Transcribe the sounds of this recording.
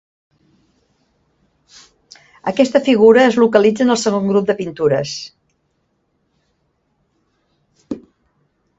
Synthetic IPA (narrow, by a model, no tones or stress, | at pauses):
əkɛst̪əfiɣ̞uɾəːzlukəlid͡zənəlˠsəɣ̞oŋɡɾup̚d̪əpint̪uɾə̰s